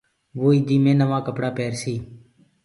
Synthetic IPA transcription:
ʋoːiːd̪iːmẽːnəʋãːkəpɽaːpeːɾsiː

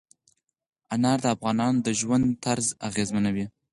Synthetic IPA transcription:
anɑɾd̪əafɣɑnɑnd̪əʒwand̪t̪aɾzaɣezmanawi

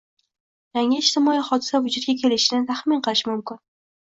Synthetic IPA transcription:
jaŋɪɪʃt̪ɪmɒiχɒd̪ɪsavʊd͡ʒʊt̪̚ɡʲakʲʰe̞lɪʃɪnɪt̪ʰaχmɪnqʰɨlˠɪʃmʊmkʲɪn

